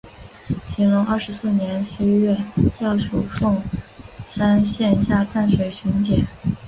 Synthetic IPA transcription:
t͡ɕʰi˧˥ŋlʊ˧˥ŋɐ˞˥˩ʂɻ̩˧˥sɹ̩˥˩njɛ˧˥nʂə˥ɥɛ˥˧t̪jɑ˥˩ʊʂu˨˩fʊ˥˧ŋʂa˥nɕjɛ˥˧nɕja˥˧t̪a˥˩nʂwe˨˩ɪɕʊ˧˥ŋt͡ɕjɛ˨˩˦

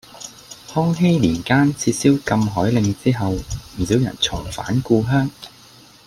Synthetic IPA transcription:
hɔː˥ŋɦe˥jliː˨˩nkaː˥nt͡sʰiː˧t̚siː˥wkɐ˧mɦɔː˨˥jlɪ˨˧ŋt͡siː˥ɦɐ˨wm̩˨˩siː˨˥wjɐ̰˨˩nt͡sʰʊ˨˩ŋfa̰ː˨˥nkuː˧ɦœː˥ŋ

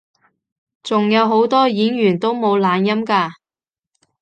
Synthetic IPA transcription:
t͡sʊ˨ŋjɐ˨˧wɦo˨˥wt̪ɔː˥jiː˨˥njyː˨˩nt̪o˥wmo˨˧wlaː˨˧njɐ˥mkaː˧

